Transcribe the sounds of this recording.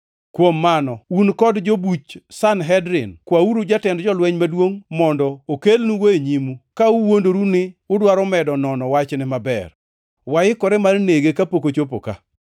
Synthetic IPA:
kwomːanɔunkɔdd͡ʒobut͡ʃsanɦɛdɾɪnkwauɾud͡ʒatɛndd͡ʒɔlwɛɲmadwoŋmɔndɔokelnuweɲimukauwondoɾunɪʊdwaɾɔmɛdɔnɔnɔwat͡ʃnɪmabɛ̰r | wajɪkɔɾɛmalneɡekapokot͡ʃopo̰ka̰

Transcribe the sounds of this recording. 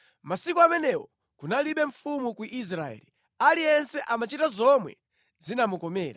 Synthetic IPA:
masikɔamɛnɛwɔ | kunaliɓɛɱfumukuʔis̬ɾaɛ̰li | aliɛnsɛʔamat͡ʃitazɔmwɛ̰ | zinamukɔmɛːɾa

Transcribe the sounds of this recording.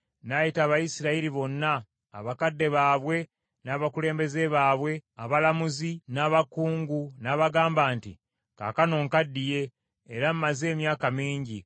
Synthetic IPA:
najitaːβajisiɾaiɾiβo̞nːa̰ː | βakadːe̞βaːβwe̞ | naːβakule̞ːmbe̞ze̞βaːβwe̞aβalamuzinaːβakuːŋɡunaːβaɡaːmbaːntḭ | ka̰kano̞ːŋkadːije̞ː | ɾam̩maze̞ːmjaːkamiːɲɟi

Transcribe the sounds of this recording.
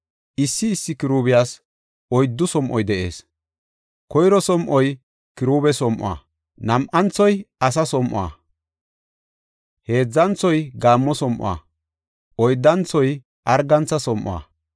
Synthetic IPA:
ʔɪsːɪːsːɪkɪɾuːbɪjaːs | ɔjd̪ːʊsɔmʔɔjd̪ɛʔe̞̰ːs | kɔjɾɔsɔmʔɔj | kɪɾuːbɛsɔmʔʊ̰a̰ː | nɐmʔɐnt͡sɔjɐs̬ɐsɔmʔʊ̰a̰ | he̞ːd͡zːɐnt͡sːɔjɡaːmːɔsɔmʔʊ̰a̰ | ʔɔjd̪ːɐnt͡sːɔj | ʔɐɾɡɐnt͡sːɐsɔmʔɔ̰a̰

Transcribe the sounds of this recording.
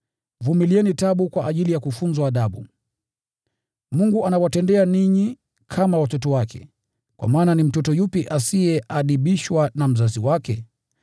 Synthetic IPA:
vumiliɛnitaɓukwaʔːʄilijakufunzwaːɗaɓu | muŋɡuʔanawatɛndɛaniɲi | kʰamawatɔtɔwakʰɛ̰ | kwa̰maːnanim̩tɔtɔjupiʔasiɛʔaɗiɓiʃwanam̩zaziwakɛ

